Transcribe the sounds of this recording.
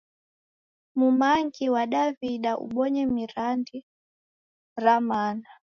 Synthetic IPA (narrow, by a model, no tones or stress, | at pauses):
mumaŋɡiwaɗaviɗaʔṵɓɔɲɛmiɾandi | ɾamana